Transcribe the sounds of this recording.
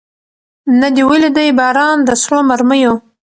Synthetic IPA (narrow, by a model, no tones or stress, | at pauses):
nad̪iweled̪ajbɑːɾɑːnd̪əsɾomaɾməjo